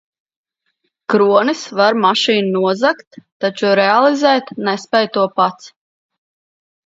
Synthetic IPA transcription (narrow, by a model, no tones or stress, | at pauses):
kɾuɔnisvaɾmaʃiːnunuɔzakt̪ːat͡ʃuɾɛalˠizɛːt̪nɛspɛjt̪uɔpat̪s